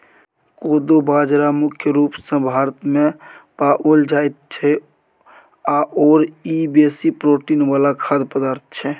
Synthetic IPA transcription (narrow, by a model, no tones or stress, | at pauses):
koːd̪obaːd͡ʒɾamʊkʰjəɾuːpsə̃bʱaːɾət̪mẽpaːʔold͡ʒaːjt̪̚t͡ʃʰɛ | aʔoːɾibeːsipɾoːʈiːnʋaːlakʰaːd̪pəd̪aːɾt̪̚ʰt͡ʃʰɛ